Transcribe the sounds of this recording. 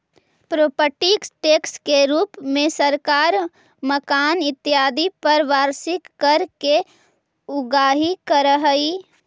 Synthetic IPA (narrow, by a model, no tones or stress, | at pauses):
pɾoːpəʈiksʈeːkskeɾuːpmẽsəɾkaːɾ | məkaːnɪt̪ːjaːd̪ipəɾʋaːɾsɪkːəɾke | ʊɡaːɦikəɾəɦəi